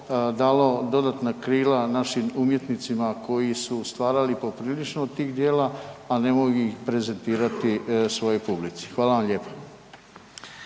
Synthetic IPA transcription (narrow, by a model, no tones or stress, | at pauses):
d̪aːlo̞d̪o̞d̪at̪nakɾiːlanaʃimumje̞t̪nit̪simako̞jisust̪ʋaːɾalipo̞pɾiːlit͡ʃnod̪t̪iːɣd̪je̞ːlaane̞mo̞juixpɾe̞ze̞nt̪iːɾat̪isʋo̞jojpublit̪si̥xʋaːlaʋamʎe̞ːpḁ